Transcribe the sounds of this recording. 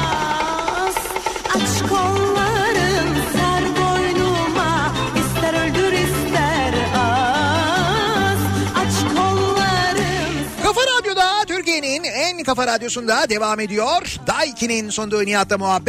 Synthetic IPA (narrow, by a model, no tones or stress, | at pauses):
z̥at͡ʃkʰolˠːaɾɯmhæɾɡojnuma | islæɾølʲd̪yɾizlæɾa | zat͡ʃkʰolˠːaɾɯmkʰafaɾad̪jo̞d̪at̪ʰyɾcije̞ninænkafaɾad̪jo̞sund̪ad̪e̞vaːme̞d̪ijoɾd̪ajicʰininso̞nd̪ojnijat̪ːamuɦabː